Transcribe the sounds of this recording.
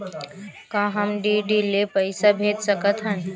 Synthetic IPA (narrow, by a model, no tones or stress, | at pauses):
kãːɦɐmɖiɖiːlepəɪsabʱeːd͡ʒ̪səkət̪ɦə̃